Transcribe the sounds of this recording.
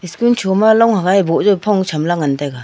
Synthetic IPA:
iskunt͡ʃʰomalɔŋhaɡajboʔzɔpʰɔŋt͡ʃʰamlaŋantajɡa

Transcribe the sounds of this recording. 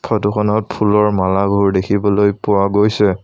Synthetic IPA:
pʰɔtuxʰɔnɔt̚pʰulɔɹmalaɡʱoɹdekʰibɔlojpʊɹaɡojsɛ

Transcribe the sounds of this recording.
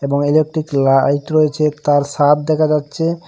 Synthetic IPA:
eboŋelek̚ʈɾiklajʈɾojet͡ɕʰet̪aɾʃat̪̚d̪ɛkʰad͡ʑatːɕʰe

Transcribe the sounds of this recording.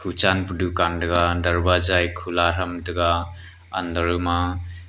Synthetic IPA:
kʰut͡ʃanpɾɔdukandaɡadaɾbazajkʰulaɾamdaɡaː | ndaɾɯma

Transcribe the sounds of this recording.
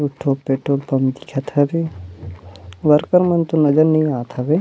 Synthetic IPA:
uʈʰːopeːʈoːlpɐmd̪ikʰat̪ʰɐbe | ʋɐɾkəɾmɐnt̪unɐd͡ʒɐɾnɐɦĩaːt̪ʰɐbe

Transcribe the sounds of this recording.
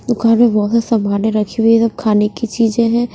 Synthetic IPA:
d̪ʊkaːnmẽbɔɦʊt̪sɐmaːneɾɐkʰiwiesɐb̚kʰaːnekit͡ʃiːd͡ʒẽɦɛ̃ː

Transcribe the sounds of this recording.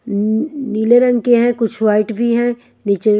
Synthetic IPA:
niːleɾɐ̃ŋɡkeɦɛ̃kʊt͡ʃʰwaːɪʈbʱiɦɛ̃ | nit͡ʃe

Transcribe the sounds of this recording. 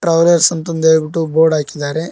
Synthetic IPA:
ʈɾɐwlɐɾsɐnt̪ɐnd̪eːbiʈːuboːɾɖaːkid̪ːaːɾe

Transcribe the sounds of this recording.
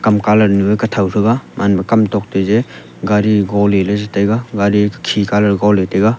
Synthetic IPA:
kɐmkalɐɾnubekɐtʰawɾʰɯɡamʔanbɐkɐmtɔk̚teze | ɡaɾiɡɔlelazetajɡaɡaɾikʰikalɐɾɡawletajɡa

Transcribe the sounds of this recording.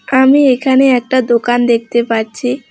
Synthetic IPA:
amiekʰañeɛk̚ʈad̪okand̪ek̚ʰt̪epaɾt͡ɕʰi

